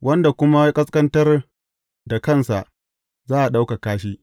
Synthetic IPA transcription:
wʔɐ˦nda˨kʷʊ˦ma˦jkʼɐ˦skɐ˦ntɐ˦r | da˨kɐ˦˨nsa˨ʔ | zaː˦ʔa˨ɗa˦wka˨kaː˦ʃiː˦

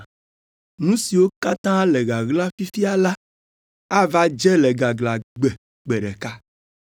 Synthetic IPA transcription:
nũ˦si˨wo˦ka˦t̪ã˦le˨ɡa˨ɡla˦fi˦fi˦a˦la˦ | a˦va˦d͡ʒɛ˦lɛ˨ɡa˨ɡla˨ɡ͡bɛ˨ | ɡ͡bɛ˨ɖɛ˨ka˦

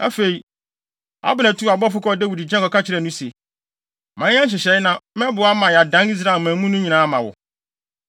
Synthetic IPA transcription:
a̰˦fe˨i˨ | a̰˦bʊ˨næ̃˨tʰu˦a˨bɔ˦fʊ˦kɔ˦dæ˦wi˨di˨d͡ʑɛ̃˦kɔ˨kʰa˦t͡ɕʰɪ˦ɾɛ˨nũ˦se˨ | mã˨˦ã˦ɕ̬ɪ˨ɕɛ˨˦nã˦mɛ̃˦bʊ˨˦a˦mã˨ja˨dã˦ni˦s̬ɾa˨mã˨˦mũ˦nũ˦ɲĩ˨nãː˨˦mã˨wʊ̰˨

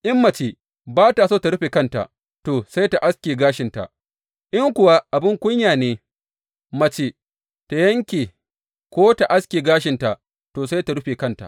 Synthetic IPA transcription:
ʔɪ˦mːɐ˨t͡ʃe˨ | baː˦ta˨soː˦˨ta˨ɽʊ˦ɸeː˨kɐ˦nta̰˨ | toː˨sa˦jta˨ʔa˦skʲeː˨ɡaː˦ʃɪ˨nta̰˨ | ʔɪ˦ŋkʷʊ˨wa˦ʔa˨bɪ˦ŋkʷʊ˦ɲjaː˨neː˨˦ | mɐ˨t͡ʃe˦ | ta˨jɐ˦ŋkʲeː˨ | kʷoː˦ta˨ʔa˦skʲeː˨ɡaː˦ʃɪ˨nta˨ | toː˨sa˦jta˨ɽʊ˦ɸeː˨kɐ˦nta̰˨ʔ

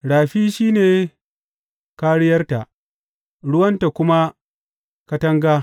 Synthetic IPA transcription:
ɽaː˨ɸiː˦ʃiː˦neː˨ | ka˦ɽɪ˦jɐ˦rta˨ʔ | ɽʊ˦wɐ˦nta˨kʷʊ˦ma˦ | kɐ˦tɐ˦ŋɡaː˦

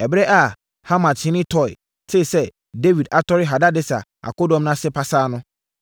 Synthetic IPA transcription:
ɛ˨bɾɛ˦ʔa˨ | ha˦mã˨tʰɪ̃˨˦nɪ̃˦tʰɔ˨ɪ̰˨ | sʰe˦i˨sɛ˦ | de˦vi˨da˨tʰɔ˦ɾɪ˦ɦa˨da˦dɪ˦sa̰˨a̰˨ko˦dɔ̃˨˦mnã˦sɪ˦pʰa˨saː˦nʊ̃˦

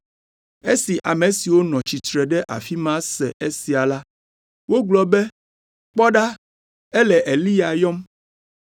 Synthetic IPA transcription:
e˦si˨ʔa˨mẽ˨si˨wo˦nɔ̃˨t͡ɕi˨t̪ɾɛ˨ɖɛ˦ʔa̰˨fi˦mã˦sɛ̰˨ʔe˦si˨a˨la˦ | wo˦ɡlɔ˦bɛ˦ | k͡pɔ˦ɖa˦ | ɛ˦lɛ˨ʔe˨li˦ja˨jɔ˦m

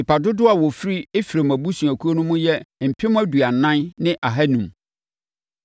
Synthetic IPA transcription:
ɪ˨pa˨dʊ˦dʊ˦a˨wɔ˨fi˦ɾi˦e˦fi˨ɾe˨m˨æ˨bu˦sũ˨æ˨kʰu˦o˦nʊ̃˦mʊ̃˦jɛ˦m̩˨pʰɪ˦m˦æ˦du˨a˨n˨nã˦nnɪ̃˦ʔa˨ɦa˦nũ˨m

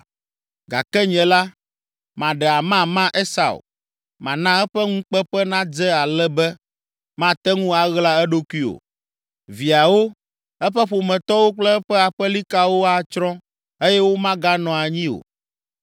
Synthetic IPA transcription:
ɡa̰˨kɛ˦ɲɛ̃˨la˦ | mã˨ɖɛ˨a˨mã˦mã˦ʔe˦sa̰˨wo̰˨ | mã˨nã˦ɛ˦ɸɛ˦ŋũ˦k͡pɛ˦ɸɛ˦nã˦d͡zɛ˦a˨lɛ˦bɛ˦ | mã˦t̪ɛ˦ŋũ˦a˨ɣla˦ɛ˦ɖo˦kʷi˦o̰˨ | vi˨a˨wo˦ | ɛ˦ɸɛ˦ɸo˨mɛ̃˨t̪ɔ˦wo˦k͡plɛ˦ɛ˦ɸɛ˦a˨ɸɛ˦li˦ka˦wo˦a˦t͡ʃɾɔ̃˦ | e˦jɛ˦wo˦mã˦ɡa˦nɔ̃˨a˨ɲĩ˦o̰˨

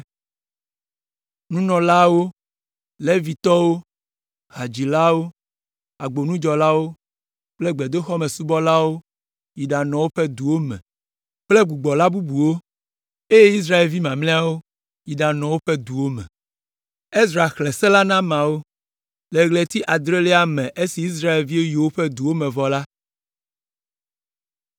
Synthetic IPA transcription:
nũ˦nɔ̃˨la˦wo˦ | le˦vi˨t̪ɔ˦wo˦ | ɦa˨d͡ʑi˨la˦wo˦ | a˨ɡ͡bo˨nũ˦d͡ʒɔ˨la˦wo˦ | k͡ple˦ɡ͡be˨d̪o˦xɔ˦mẽ˨su˦bɔ˦la˦wo˦ | ji˨ɖa˨nɔ̃˨wo˦ɸɛ˦d̪u˨wo˦mɛ̰̃˨ | k͡ple˦ɡu˨ɡ͡bɔ˨la˦bu˦bu˨wo˦ | e˦je˦i˦s̬ɾa˦e˨lvi˦mã˨mlɛ̃˦a˦wo˦ | ji˨ɖa˨nɔ̃˨wo˦ɸe˦d̪u˨wo˦mɛ̰̃˨ | e˦sɾa˨xle˨sɛ˦la˦nã˦mã˨wo˦ | le˨ɣle˨t̪i˦ʔa˨d̪ɾe˦lɛ˦a˦mɛ̃˨ʔe˦si˨i˦s̬ɾa˦e˨lvi˦e˦jo˨wo˦ɸɛ˦d̪u˨wo˦mɛ̃˨vɔ˨la˦

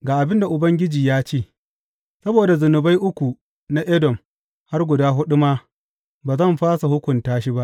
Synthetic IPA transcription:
ɡaː˨ʔa˨bɪ˦nda˨ʔʊ˨bɐ˦ŋɡʲɪ˦d͡ʒiː˨jaː˦t͡ʃeː˦˨ | sɐ˦boː˨da˨zʊ˨nʊ˨ba˦jʔʊ˦kʷu˨ | na˦ʔɛ˦dɔ˨m | ha˦rɡʷʊ˨daː˦ɦʊ˦ɗʊ˦maː˦ | baː˨zɐ˦˨mɸaː˦sa˨hʊ˦kʷʊ˨ntaː˦ʃi˦ba˦ʔ

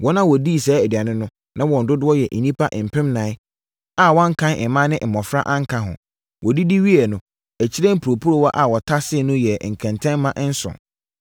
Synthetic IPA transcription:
wɔ˦nã˦wɔ˨di˦˨sɛː˨˦æ˨di˨a˨nɪ̃˦nʊ̃˦ | nã˦wɔ̃˨n̩˨dʊ˦dʊ˦ɔ˦jɛ˨ʔe˨nĩ˦pʰa˦ʔm̩˨pʰɪ̃˦mnãː˨˦ɪ˦ | a˦wɔ̃˦ŋ̩˦kʰã˦nʔɪ˨mã˦nɪ̃˦ʔm̩˨mɔ̃˨fɾa̰˦ʔã˦ŋ˦kʰã˨ɦʊ̰̃˨ | wɔ˨di˦di˦ɥi˦ɛ˨nʊ̃˨ | æ˨t͡ɕʰi˦ɾɛ̃˦m̩˦pʰu˨ɾo˨pʰu˦ɾo˦wɔ˦ʔa˨wɔ˨tʰa˦sɪ˦˨nʊ̃˦jɛ˨ŋ̩˨kʰɛ̃˨ntʰɛ̃˦m˦mã˦ʔn̩˦sʊ̰̃˨n

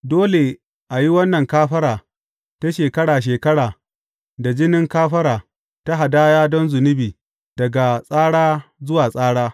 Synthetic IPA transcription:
doː˦le˨ | ʔa˨ji˦wɐ˦nːɐ˨ŋkaː˦ɸɐ˦ɾaː˨ | ta˦ʃeː˨kɐ˦ɽaː˨ʃ̬eː˨kɐ˦ɽaː˨ | da˨d͡ʒɪ˦nɪ˦ŋkaː˦ɸɐ˦ɾaː˨ | ta˦ɦa˨daː˦jaː˦dɔ˦nzʊ˨nɪ˦biː˨ | d̥ɐ˨ɡa˨sʼaː˦ɽaː˦zʊ˦waː˨sʼaː˦ɽaː˦

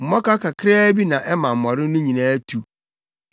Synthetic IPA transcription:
m̩˨mɔ˦ka˦kʰa˨kʰɪ˦ɾa˦bi˦nã˨ʔɛ˦mã˨m̩˨mɔ˨ɾɪ˦nʊ̃˦ɲĩ˨nã˦tʰu˨

